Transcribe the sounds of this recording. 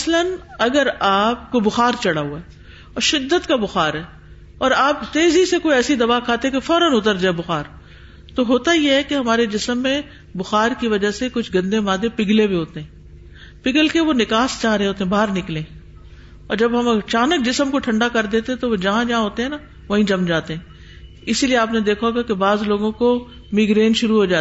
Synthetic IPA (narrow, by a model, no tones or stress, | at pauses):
ɐslənɐɡəɾaːp̚kobʊxaːɾt͡ʃɐɽaɦuaɛ | ɔːɾʃɪd̪ːət̪kabʊxaːɾɛː | ɔːɾaːpt̪eːzisekoːiɛːsid̪ɐʋaːkʰaːt̪eɦɛ̃kefɔːɾənʊt̪əɾd͡ʒaːɛbʊxaːɾ | t̪oɦoːt̪ajeɦɛkeɦɐmaːɾed͡ʒɪsəmːẽ | bʊxaːɾkiʋɐd͡ʒasekʊt͡ʃʰɡɐ̃nd̪emaːd̪epɪɡlẽbiɦoːt̪eɦɛ̃ː | pɪɡəlkeʋonɪkaːst͡ʃaːɾeɦẽɦoːt̪eɦɛ̃baːɾnɪklẽː | ɔːɾd͡ʒɐbɦɐmɐt͡ʃaːnək̚d͡ʒɪsəmkoʈʰɐ̃ɳɖakɐɾd̪eːt̪eɦɛ̃t̪oʋod͡ʒɐɦãd͡ʒɐɦãɦoːt̪eɦɛ̃na | ʋoɦĩd͡ʒɐmd͡ʒaːt̪eɦɛ̃ː | ɪsilieaːpned̪eːkʰaɦoɡakebaːzloːɡõko | mɪɡɾeːnʃʊɾuɦod͡ʒaː